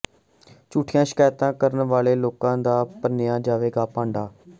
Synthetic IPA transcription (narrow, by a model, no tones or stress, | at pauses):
t͡ʃuːʈʰijãːʃɪ̥kaːjt̪ãːkəɾənʋaːleːloːkãːd̪aːpənɪjãːd͡ʒaːʋeːɡaːpãːɳɖaː